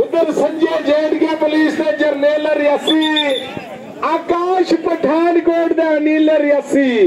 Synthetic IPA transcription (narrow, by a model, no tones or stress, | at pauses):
ʊt̪ɐɾsɐmd͡ʒeːd͡ʒeːɽɡaːpɐliːst̪ɐːd͡ʒɐɾneːlɐɾjɐsiː | aːkaːʃpɐʈʰaːnkoːʈd̪aːniːlɐɾjɐsiː